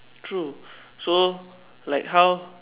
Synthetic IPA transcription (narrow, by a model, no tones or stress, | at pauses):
tʰɹu | so | laɪkɦaʊ